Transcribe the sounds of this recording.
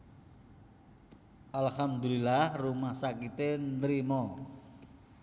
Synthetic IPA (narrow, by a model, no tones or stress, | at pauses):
ʔalhamd̪ulilahrumahsakit̪end̪ɾimɔ